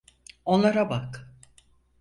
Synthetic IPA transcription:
o̞nlˠaɾabak

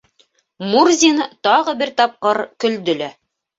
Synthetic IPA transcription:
murzʲint̪ɑʁɤbɘɾt̪ɑp̚qɤɾkɵ̆ld̪ɵ̆læ

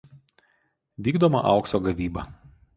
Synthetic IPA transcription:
ʋʲiːɡd̪omɐ̰ʔɐ̰ˑʊksoɡɐʋʲiːbɐ̰ˑ

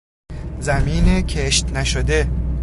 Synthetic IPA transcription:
zæmiːnecʰeʃt̪næʃod̪e̞

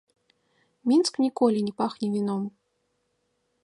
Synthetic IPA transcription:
mʲinsknʲikɔlʲinʲɛpaxnʲɛvʲinɔm

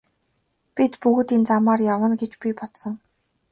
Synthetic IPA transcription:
pʲit̪puɣ̆t̪iːnt͡samaːrjawə̆nɡet͡ɕpʲipɔt̪sə̆ŋ

